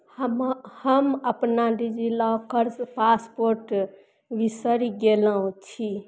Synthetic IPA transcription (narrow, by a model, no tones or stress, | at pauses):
hmhəməpnaɖid͡ʒilakəɾspaspoɾʈ | ʋisəɾiɡelaɦũt͡ʃʰi